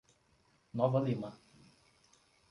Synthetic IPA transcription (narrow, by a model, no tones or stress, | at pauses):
nɔvɐlima